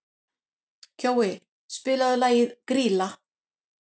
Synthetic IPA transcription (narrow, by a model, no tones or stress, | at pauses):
cʰoːwɪ | spɪːlaðʏlaːjɪðkɾiːla